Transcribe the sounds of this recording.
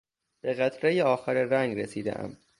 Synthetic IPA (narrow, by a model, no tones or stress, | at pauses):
b̥eɣæt̪ʰɾejeɒːxæɾeræŋɡɾesiːd̪ḛʔæ̰m